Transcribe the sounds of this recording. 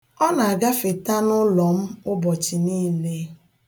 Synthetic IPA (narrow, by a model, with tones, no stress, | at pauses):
ɔ˦na˨a˨ɡa˦fe˨ta˦nʊ˦lɔ˨m̩˦ʊ˦bɔ˨t͡ʃi˨niː˦le˦